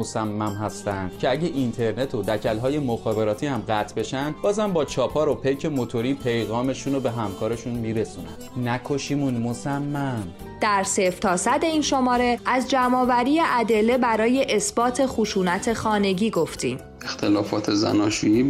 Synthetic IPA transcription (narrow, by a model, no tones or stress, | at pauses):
osæmːæmhæst̪ænd̪̥cʰe̞æɟeʔint̪ʰe̞ɾne̞t̪ʰod̪æcʰælɦɒːje̞moxɒːbe̞ɾɒːt̪ʰiːhæmɢæt̪ʰbe̞ʃænd̪bɒːzæmbɒːt͡ʃʰɒːpʰɒːɾopʰejcʰe̞mot̪ʰo̞ɾiːpʰe̞jɣɒːme̞ʃuːnobe̞ɦæmkʰɒːɾe̞ʃunmiːɾe̞suːnæ̰m | nækʰoʃiːmunmosæmːæm | d̪̥æɾseft̪ʰɒːsæd̪e̞iːnʃomɒːɾe̞æzd͡ʒæmɒːvæɾiːjeʔæd̪e̞lːe̞bæɾɒːje̞ʔesb̥ɒːt̪ʰe̞xuʃuːnæt̪ʰe̞xɒːne̞ɟiːɡo̞ft̪iːm | ext̪ʰelɒːfɒːt̪ʰezæ̰nɒːʃujiː